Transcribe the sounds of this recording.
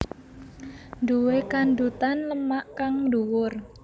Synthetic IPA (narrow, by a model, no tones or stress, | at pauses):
nduwekand̪ut̪anləmaʔkaŋduwʊr